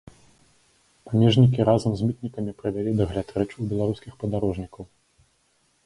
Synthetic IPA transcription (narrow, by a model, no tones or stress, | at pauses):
pamʲɛʐnʲikʲiɾazɐmzʲmʲit̪̚nʲikɐmʲipɾɨvʲalʲid̪ɐɣlʲat̪ɾɛt͡ʂuwbʲɛlˠaɾuskʲixpɐd̪aɾɔʐnʲikɐw